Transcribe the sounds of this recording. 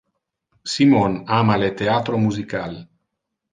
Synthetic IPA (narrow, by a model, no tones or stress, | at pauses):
simonamalet̪eat̪ɾomuzikal